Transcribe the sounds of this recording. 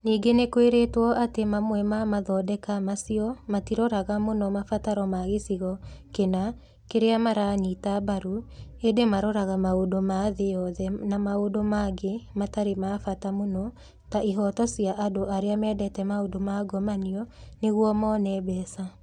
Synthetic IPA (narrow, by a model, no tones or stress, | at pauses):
niːɡenekoeɾetwɔʔatemamwɛmamaðɔːdɛkamasiɔmatiɾɔɾaɣamonɔmafataɾɔmaɣesiɣɔkena | keɾeamaɾaːɲitabaɾuedemaɾɔɾaɣamaodomaðejɔðɛnamaodomaɡemataɾemafatamonɔ | taʔiɦɔtɔsiaʔadoʔaɾeamɛːdɛtɛmaodomaɡɔmaniɔneɣwɔmɔnɛːbɛːsa